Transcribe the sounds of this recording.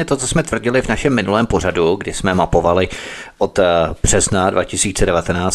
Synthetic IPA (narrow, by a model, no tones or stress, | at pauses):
ɛt̪o̞t͡sosmɛt̪vr̩ɟɪlɪvnaʃɛmːɪnulɛːmpo̞raduɡdɪsmɛmapo̞valɪʔo̞t̪b̥r̝̥ɛznadva̰cɪsiːt͡sɛdɛvat̪ɛnaːt͡s